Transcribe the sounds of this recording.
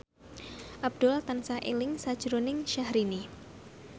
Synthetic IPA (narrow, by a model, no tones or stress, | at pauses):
ʔab̚d̥̪ʊlt̪ansaʔelɪŋsad̥ʒ̥ɾonɪŋʃahɾini